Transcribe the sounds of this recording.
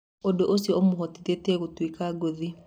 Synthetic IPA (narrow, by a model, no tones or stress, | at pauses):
odoʔosiɔomohɔtiðetɛɣotwikaɡoði